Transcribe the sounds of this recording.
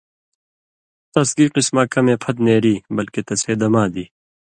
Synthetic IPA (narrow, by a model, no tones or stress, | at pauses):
t̪ɐsɡiːqismaːkɐmẽːpʰɐt̪neːɾiːbɐlket̪ɐseːd̪ɐmaːd̪iː